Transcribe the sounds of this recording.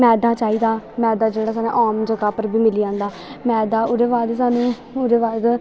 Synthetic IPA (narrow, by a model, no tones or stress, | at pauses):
mɛ̃ːd̪aːt͡ʃaːiːd̪aːmɛ̃ːd̪aːd͡ʒeːɽaːsaːnḛ̃ːʔaːmd͡ʒəɡaːpəɾbiːmɪliːãːnd̪aː | mɛːd̪aːʊɾeːʋaːd̪saːnũː | ʊɾeːʋaːd̪